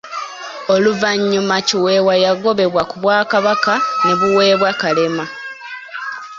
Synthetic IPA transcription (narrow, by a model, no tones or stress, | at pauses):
o̞luvaɲːumaciwe̞ːwajaɡo̞βe̞βwakuβwaːkaβakane̞βuwe̞ːβwakale̞ma